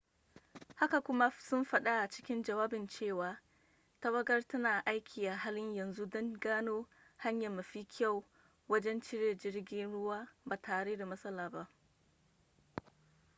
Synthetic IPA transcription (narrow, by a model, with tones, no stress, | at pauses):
ha˦ka˨kʷʊ˦ma˦sʊ˦mɸɐ˦ɗa˦ʔa˨t͡ʃɪ̥˦kʲɪ˦nd͡ʒɐ˨waː˦bɪ˨nt͡ʃeː˦˨waː˨ | ta˦wɐ˦ɡɐ˦rtɐ˦naː˨ʔa˦jkʲʰiː˨ʔa˨ɦaː˦lɪ˦ɲjɐ˨nzu˦dɔ˦ŋɡaː˦noː˦ | ha˦ɲjɐ˨mːɐ˨ɸiː˦kʲʰa˦˨w | wɐ˦d͡ʒɛ˦nt͡ʃɪ˦ɾeː˨d͡ʒɪ˦ɽɡʲɪ˦nɽʊ˦waː˦baː˨taː˨ɽe˦da˨mɐ˦sɐ˦laː˨ba˦ʔ